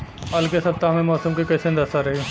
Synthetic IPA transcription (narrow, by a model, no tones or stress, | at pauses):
ɦaːlkesɐp̚t̪aɦmẽmɔːsəmkikɐsẽnd̪ɐsaɾɐɦi